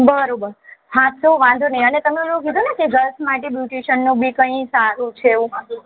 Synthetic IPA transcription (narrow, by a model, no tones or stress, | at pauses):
bəɾobəɾsãt̪soʋãnd̪ʱonəĩənet̪əmẽd͡ʒoukid̪ʱonekeɡəɾsmaʈebjuʈeʃənːũbʱikə̃ĩsaɾũt͡ʃʰeːũ